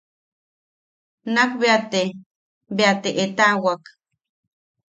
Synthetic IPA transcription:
nakbeat̪e | beat̪eʔet̪awak

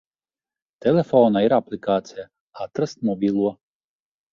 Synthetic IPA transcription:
t̪ɛlʲefɔnɐiɾaplʲɪkaːt̪sʲɪja | at̪ɾɐst̪mɔbʲilˠuɔ

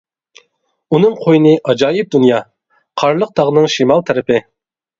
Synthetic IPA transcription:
unɨŋqʰojnɨʔɑd͡ʒɑːjɪp̚d̪unjɑ | qʰɑɾlˠəq̚t̪ʰɑʁnɨŋʃimɑlˠt̪ʰɛɾɪpɪ

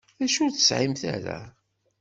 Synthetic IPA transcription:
ðæʃʊɾθə̥sʕimθæ̰ɾæ̰

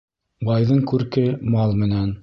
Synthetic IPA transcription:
bɑjðɤɴkʉɾkɘmɑlˠmɘ̆næn

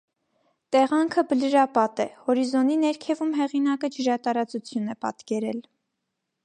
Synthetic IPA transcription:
t̪ɛʁɑŋkʰəbələɾɑpɑt̪ɛhɔɾizɔninɛɾkʰɛvumɦɛʁinɑkəd͡ʒəɾɑt̪ɑɾɑt͡sut͡sʰjunɛpɑ̰t̪kɛɾɛl

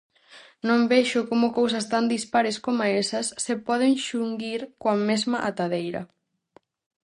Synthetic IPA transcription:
nõmbeʃʊkomʊkows̬ɐst̪and̪ispaɾeskomaesɐsːepɔð̞eŋʃuŋɡiɾkoɐmezmɐʔat̪aðejɾɐ̰

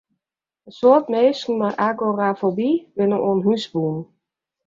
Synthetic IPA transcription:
əsotmeːsn̩maʔaɡorafobibɪnəʔoːnɦysbuːn

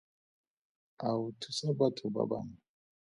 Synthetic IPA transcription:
awutʰusabatʰuba̰ba̰ŋa

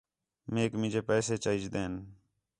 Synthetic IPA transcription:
meːkmɪ̃d͡ʒeːpɛːseːt͡ʃəid͡ʒd̪eːn

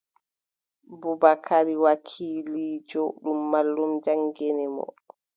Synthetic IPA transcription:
bubakʰaɾiwakʰiːliːd͡ʒɔɗumːalːumd͡ʒaŋɡenimɔ̰

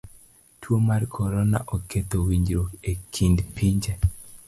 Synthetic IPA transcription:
tʰwomarkʰɔɾɔna̰ʔoket̪owiɲd͡ʒɾokekʰindpʰiɲd͡ʒe

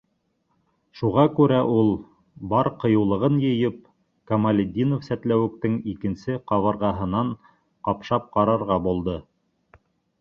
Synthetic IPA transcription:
ʃuʁɑkʉɾæʔulˠ | bɑɾqɤ̆jɤ̆wlˠɤ̆ʁɤnjɤ̆jɤp̚ | kɐmalʲɪd̪ʲːinofsæt̪læwɘ̆k̚t̪ɘŋikɘ̆nsɘqɑβɑ̆ɾʁɑɦɤ̆nɑɴ | qɑpʃɑp̚qɑɾɑɾʁɑbulˠd̪ɤ

